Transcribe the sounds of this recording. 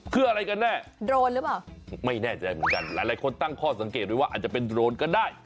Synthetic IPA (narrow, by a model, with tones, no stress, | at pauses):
kʰɯː˧˩ʔa˧ɾa˧jka˧nːɛː˥˩dɾoː˧nlɯ˨˦˥paː˨˩wma˥˩jnɛː˥˩t͡ɕa˨˩daː˥˩mɯ˩˦nka˧nlaː˨˦jlaː˨˦jkʰo˧nt̪a˥˩ŋkʰɔː˥˩sa˩˦ŋkeː˨˩t̪̚ɾuː˧˩wa˥˩ʔaː˨˩t̪̚t͡ɕa˨˩pe˧ndɾoː˧nkɔː˥˩daː˥˩j